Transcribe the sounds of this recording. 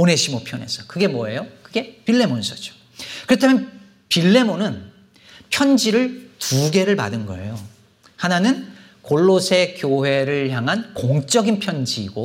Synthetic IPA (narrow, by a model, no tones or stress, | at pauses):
one̞ɕʰimopʰjʌne̞̰sʰʌkɯɡe̞mwʌejokɯɡe̞piɭːe̞monsʰʌd͡ʑo̥ | kɯɾʌtʰamjʌn | piɭːe̞monɯn | pʰjʌnd͡ʑiɾɯɭtuɡe̞ɾɯɭpa̰dɯnɡʌ̰ḛjo | hananɯn | koɭːosʰe̞kjoɦe̞ɾɯɭçaŋɦankoŋt͡ɕ͈ʌɡinpʰjʌnd͡ʑiːɡo